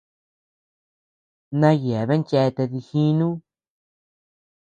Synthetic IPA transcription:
nã˦je˨a˨βe˦t͡ʃe˧t̪e˧ði˧xi˦nũ˦

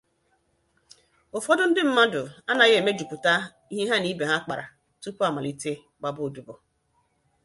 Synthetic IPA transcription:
o˨fɔ˦dʊ˦n̩˦dɪ˦m̩˦ma˦dʊ˨a˦na˨ɣe˨me˦d͡ʒu˨ku˨ta˦ | i˦ɦe˦ɦa˦ni˦be˨ɦa˦k͡pa˨ɾa̰˨ | tu˦ku˦a˨ma˨li˦te˦ | k͡pa˨bʊ˦˨du˨bɔ˨

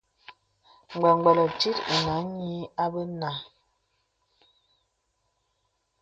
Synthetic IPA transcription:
ŋ͡mɡ͡bɔ˨ŋ˨ɡ͡bɛ˨lɔ˨ti˦te˨na˨˦ɲi˦a˦bə˦na˨

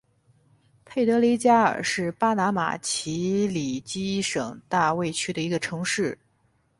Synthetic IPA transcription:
pʰe˥˩ɪt̪ɤ˧˥li˧˥t͡ɕja˥ə̰˞˨˩ʂɻ̩˥˩pa˥na˧˥ma̰˨˩t͡ɕʰi˧˥li˨˩t͡ɕi˥ʂɤ˨˩ŋt̪a˥˧we˥˧ɪt͡ɕʰy˥d̪ə˨i˧˥ɡə˧ʈ͡ʂʰɤ˧˥ŋʂɻ̩˥˩

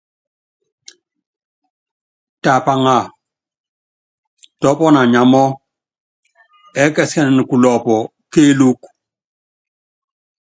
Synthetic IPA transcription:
ta˨pa˦ŋa˨ | tɔ˦pɔ˦na˨ɲa˨mɔ˦ | ɛ˦kɛ˨sɛ˦nɛ˨n˨ku˨lɔ˨pɔ˨ | ke˦lu˦k

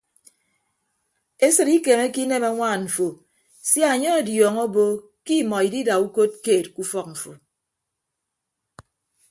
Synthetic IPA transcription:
e˦sɨ˨ɾi˦ke˨me˦ki˦ne˦ma˦ŋʷaː˦˨ɱ̩˨fo˨ | sja˦a˨ɲɔ˦a˨djɔː˨ŋo˦bo˦ | ki˦˨mɔ˨i˨di˦da˨u˦ko˦t̚keː˦˨t̚ku˦fɔ˦k̚ɱ̩˨fo˨

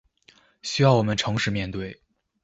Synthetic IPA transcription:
ɕy˥jɑ˥˩ʊwɔ˨˩mə˦nʈ͡ʂʰɤ˧˥ŋʂɻ̩˧mjɛ˥˧nt̪we˥˩ɪ

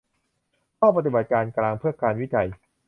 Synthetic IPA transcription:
kʰɔː˥˩p̬a˧t̪i˨ba˨˩t̪̚kaː˧nklaː˧ŋpʰɯ˥˩ɐkaː˧nwi˦˥t͡ɕa˧j

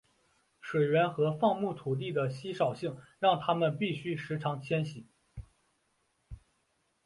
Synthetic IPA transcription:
ʂwe˨˩ɪɥɛ˧˥nxɤ˧˥fɑ˥˧ŋmu˥˩t̪ʰu˨˩t̪̬i˥˩d̪ə˩ɕi˥ʂɑ˨˩ʊɕi˥˩ŋɻɑ˥˩ŋt̪ʰa˥mə˨npi˥˩ɕy˥ʂɻ̩˧˥ʈ͡ʂʰɑ˧˥ŋt͡ɕʰjɛ˥nɕi˨˩˦

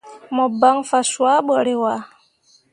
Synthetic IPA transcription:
mɔ˨ba˨˦ŋfa˨swa˦ɓɔ˨ɾe˨wa˨

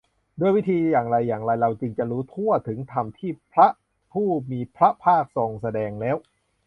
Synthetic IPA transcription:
du˥˩əjwi˦˥t̪ʰiː˧jaː˨˩ŋɾa˧jːaː˨˩ŋɾa˧jɾa˧wt͡ɕɯ˧ŋt͡ɕa˨˩ɾuː˦˥t̪ʰu˥˩ət̪ʰɯ˩˦ŋt̪ʰa˧mt̪ʰiː˥˩pʰɾa˦˥ʔ | pʰuː˥˩miː˧pʰɾa˦˥pʰaː˥˩k̚so˧˩ŋsa˧dɛː˧ŋlɛː˦˥w

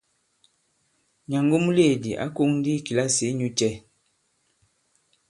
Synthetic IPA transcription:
ɲa˨ŋɡo˦mu˦le˦˨di˨ʔa̰˦ko˦ŋdi˦˨ki˨la˦se˨˦ɲu˦t͡ʃɛ˦

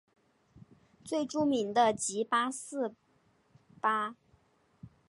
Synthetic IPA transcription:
t͡swe˥˩ɪʈ͡ʂu˥mi˧˥nd̪ə˧t͡ɕi˧˥pa˥sɹ̩˥˩ | pa˥

